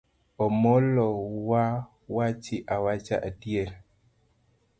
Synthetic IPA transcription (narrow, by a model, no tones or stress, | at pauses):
ɔmɔlɔwa | wat͡ʃɪʔawat͡ʃa̰ʔadijɛl